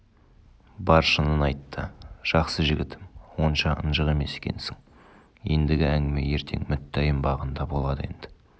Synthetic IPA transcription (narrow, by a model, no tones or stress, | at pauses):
bɑɾʃənənɑjt̪ːəʒ̥ɑqsəʒɪɡʲɪt̪ʰɪmwo̞nʃɑʔə̰nʒəʁe̞me̞se̥kʲe̞̰nsɪŋ | je̞̰nd̪ɪɡʲɪæŋɡʲɪme̞je̞ɾt̪ʰe̞̰ŋmʏt̪ːæjɪmbɑʁənd̪ɑbo̞lˠɑd̪əe̞nd̪̥ɪ̥